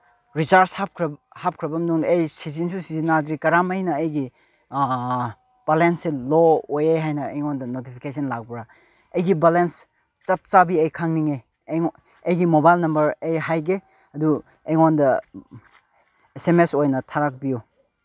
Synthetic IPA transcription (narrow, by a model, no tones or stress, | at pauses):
ɾit͡ʃaɾshap̚kʰɾɐ | hap̚kʰɾɐbɐmduŋdːjsizinsusizinːadɾikɐɾamɐjnɐːjɡi | b̥alenseloojejɦajnɐejŋondɐnotipʰi̥kesɐnlak̚bɾa | ɐjɡibalens | t͡ʃɐp̚t͡ʃabiejkʰaŋniŋe | ejɡimobajlnɐmbɐɾejɦajɡe | ɐdu | ejŋondɐ | esemesojnɐtʰaɾak̚biju